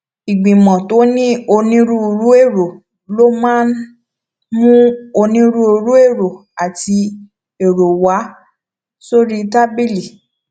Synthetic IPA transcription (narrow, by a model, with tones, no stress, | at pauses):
i˨ɡ͡bĩ˨mɔ̃˨to˨˦nĩ˦o˧nĩ˦ɾũ˦o˧ɾu˦e˦˨ɾo˨ | lo˦mãː˦n | mũ˦o˧nĩ˦ɾũ˦o˧ɾu˦e˦˨ɾo˨ | a˨ti˧ | e˨ɾo˨wa˨˦ | so˦ɾi˦ta˦bi˦˨li˨